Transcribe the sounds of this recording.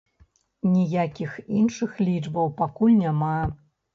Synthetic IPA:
nʲijakʲixinʂɨxlʲid͡ʐbɐwpakulʲnʲama

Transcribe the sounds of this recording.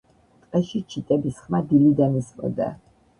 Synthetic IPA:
t̪ʼqʼɛʃit͡ʃʰit̪ʼɛbisχmad̪ilid̪anismɔ̰d̪a̰

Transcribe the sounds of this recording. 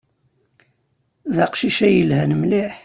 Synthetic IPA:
ðaqʃiʃæjəlhænəmliħ

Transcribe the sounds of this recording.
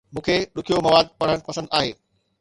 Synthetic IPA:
mũːkʰeɗʊkʰijomɐʋaːd̪̚pɐɽ̤əɽ̃pɐsə̃nd̪aːɦeː

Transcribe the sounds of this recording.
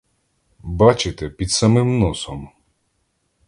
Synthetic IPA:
bɑt͡ʃɪt̪ɛpʲid̪sɐmɪmnɔsɔm

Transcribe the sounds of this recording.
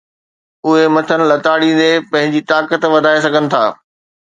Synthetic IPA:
ʊɦemɐt̪ʰənɪ̆lɐt̪aːɽind̪epɐ̃ɦɪ̃ɲd͡ʑiːt̪aːkət̪ʋɐd̪ʱaːes̬ɐɡʱənɪ̆t̪ʰaː

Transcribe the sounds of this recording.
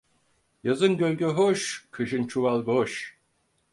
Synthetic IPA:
jazɯnɟølʲɡøɦoʃkʰɯʃɯnt͡ʃʰuvalˠɡoʃ

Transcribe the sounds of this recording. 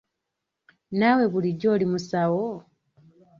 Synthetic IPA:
nawe̞βuliɟo̞ːlimusawo

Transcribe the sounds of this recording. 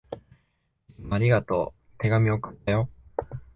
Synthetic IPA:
aɾʲiɡat̪o̞̰ | t̪e̞ɡamʲio̞kɯ̟̥t̪ːajo̞

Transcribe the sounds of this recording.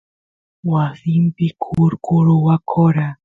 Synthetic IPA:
wasɪmpɪkʰʊɾkʊɾʊwakʰoɾa

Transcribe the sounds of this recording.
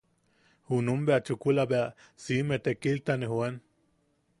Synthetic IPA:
hunumbeat͡ʃukulabea | simet̪ekilt̪anehwen

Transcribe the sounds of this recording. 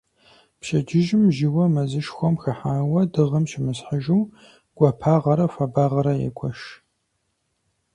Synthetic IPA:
pʃɐd͡ʒɪʒɪmʒiwɐmɐzɨʃxʷɔmxɐħaːwɐdɨʁəmʃɪmɨsħəʒuw | ɡ̥ʷɐpʰaːʁɐɾɐfɐbaːʁɐɾɐjɛ̰kʷʰɔʃ

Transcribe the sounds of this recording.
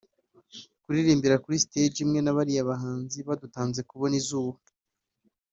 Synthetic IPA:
kuɾiɾiːmbiɾakuɾisted͡ʒimŋe̞naβaɾijaβaɦaːnziβadutaːnze̞kuβo̞nizuːβa

